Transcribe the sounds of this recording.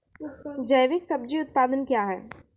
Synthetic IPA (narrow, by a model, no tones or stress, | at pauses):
d͡ʒɐjʋɪksɐb̚d͡ʒiʊt̪̚paːd̪ənkjaːɦɛ̰ː